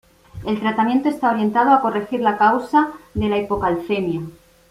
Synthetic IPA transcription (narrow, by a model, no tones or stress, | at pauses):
e̞lt̪ɾat̪amje̞nt̪o̞e̞st̪ao̞ɾje̞nt̪að̞oako̞re̞xiɾlakawsaðe̞laipo̞kalfe̞mja